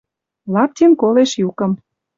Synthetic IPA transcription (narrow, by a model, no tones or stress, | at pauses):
lɑp̚t̪enkoleʃjukɤ̆m